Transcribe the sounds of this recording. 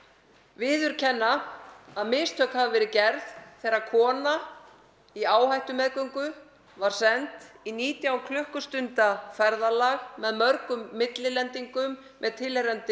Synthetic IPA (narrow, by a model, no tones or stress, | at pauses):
vɪːðʏɾ̥cʰɛnːaaðmɪst̪ʰœːkhavavɛːɾɪcɛɾðθɛɾakʰɔːna | iaːwhajht̪ʏmɛðkœŋkʏ | vaɾ̥sɛnt̪iniːt̪jawkʰlœhkʏ̥st̪ʏnt̪afɛɾðalaɣmɛðmœɾkʏmːɪt̪lɪlɛnt̪iŋkʏmː | ʔɛðt̪ʰɪlɛɾɛnt̪ɪ